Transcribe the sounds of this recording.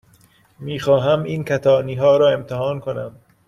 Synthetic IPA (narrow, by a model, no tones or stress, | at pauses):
miːxɒːɦæmiːnkʰæt̪ʰɒːniːɦɒːɾɒːe̞mt̪ʰehɒːnkʰonæ̰m